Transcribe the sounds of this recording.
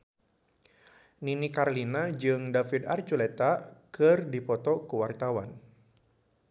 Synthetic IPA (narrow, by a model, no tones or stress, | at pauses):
ninikaɾlinad͡ʒɨŋdafida̰rt͡ʃulɛt̪akɨrdipɔt̪ɔkuwart̪awan